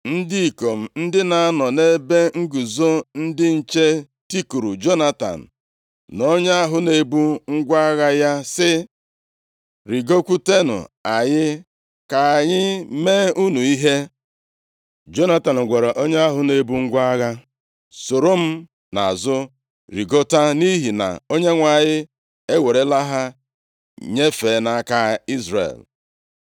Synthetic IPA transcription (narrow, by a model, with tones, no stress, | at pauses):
n̩˦di˦i˨ko˨m̩˨n̩˦dɪ˦na˨a˦nɔ˨ne˦be˦ŋ̩˦ɡu˨zo˦n̩˦dɪ˦n̩˨t͡ʃe˦ | ti˦ku˨ɾu˨d͡ʒo˦na˦ta̰˨n̩˨ | no˦ɲe˦a˦ɦʊ˨ne˨˦bu˦ŋ̩˦ɡʷa˦ɣa˦ja˦sɪ˦ | ɾi˨ɡo˦kʷu˦te˦nʊ̰˨a˨ɲɪ˦ | ka˨a˨ɲɪ˦meː˦u˦nu˨i˦ɦe˦ | d͡ʒo˦na˦ta˨n̩˨ɡʷa˨ɾe˨ʔo˦ɲe˦a˦ɦʊ˨ne˨bu˦ŋ̩˦ɡʷa˦a˦ɣa˦ | so˨ɾo˦m̩˦ | na˨a˨zʊ˦ | ɾi˨ɡo˦ta˦ni˦ɦi˨na̰˨o˦ɲe˦ŋʷa˨ɲɪ˦ | e˦we˨ɾe˦la˦ɦa˦ | ɲe˦feː˨˦na˦ka˦i˦zɾḛ˨l